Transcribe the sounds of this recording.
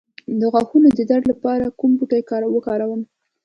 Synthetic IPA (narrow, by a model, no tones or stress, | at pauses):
d̪əɣwɑxunod̪əd̪aɽlapɑɾakumbuʈajkɑɾwəkɑɾawəm